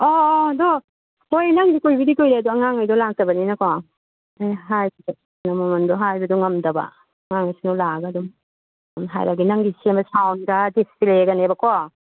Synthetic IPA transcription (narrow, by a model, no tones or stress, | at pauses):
ɔːdɔ | hojnɐŋɡikojbidikojɾeɐduɐŋaŋajdɔlak̚tɐbɐninɐkɔ | ajɦajbid | nɐmɐmɐndɔɦajbɐdɔŋɐmdɐbɐ̰ | ɐŋaŋajsinɔlaɡadum | mɦa̰jɾaɡinɐŋɡisemɐsawnɡadispileɡɐnebɐkɔ